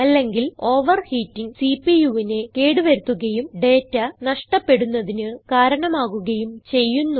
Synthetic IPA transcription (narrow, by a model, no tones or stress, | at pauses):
ɐlːe̞ŋɡilo̞ːʋɐrhiːtːiŋsipijuʋine̞keːɽuʋɐɾut̪ːuɣɐjumɖe̞ːtːɐnɐʂʈɐpːe̞ɽunːɐðinɨkaːɾɐɳɐmaːɣuɣɐjumt͡ɕe̞jːunːu